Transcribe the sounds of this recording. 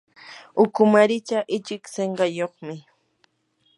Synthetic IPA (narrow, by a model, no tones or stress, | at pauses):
ʊkʊmaɾɪt͡ʃaʔɪt͡ʃɪkseɴɢɑjoχmɪ